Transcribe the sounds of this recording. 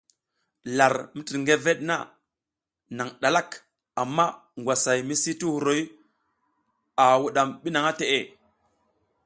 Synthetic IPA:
la˨ɾmi˦ti˨ɾŋɡe˦ve˦ɗna̰˦ | na˨ŋɗa˨la˦k | a˨mːa˦ŋɡʷwa˨sa˨jmi˦si˦ti˦hu˨ɾo˨˦j | a˨wu˦ɗa˨mɓi˦na˨ŋa˦te˨ʔe˦˨

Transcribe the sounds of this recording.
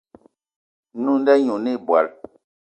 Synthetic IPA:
nu˦˨n˦dɛ˦ɲu˨ni˦˨bwa̰˨l

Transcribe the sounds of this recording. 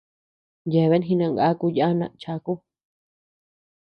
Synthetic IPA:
je˨βe˦nɦĩ˧nã˧ŋɡa˦ku˧ja˦nã˧˨t͡ʃa˧ku˦

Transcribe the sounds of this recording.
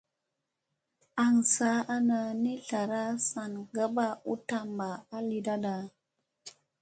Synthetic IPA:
a˨ŋsa˨˦a˦na˧ni˦ɬa˨ɾa˦sa˨nɡə˦ba˦u˦ta˦˨mba˨a˦li˦da˦da˨

